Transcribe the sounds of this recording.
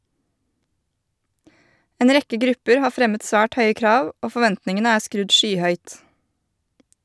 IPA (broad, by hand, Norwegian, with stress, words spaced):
ˈeːn ˈɾɛkə ˈɡɾʉpəɾ ˈhɑː ˈfɾɛmət ˈsʋæːʈ ˈhœʏə ˈkɾɑːʋ ˈoː fɔˈʋɛntnɪŋənə ˈæː ˈskɾʉd ˈʃyːˌhœʏt